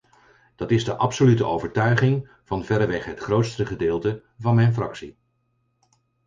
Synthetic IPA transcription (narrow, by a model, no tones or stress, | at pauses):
d̥ɑtɪzdəʔɑpsolytəʔowvəɹtœɥχɪŋ | v̥ɑnvɛɾəʋɛχɦətχrowtstəχədɪːlˠtə | vɑnmɛjnfrɑ̰ksi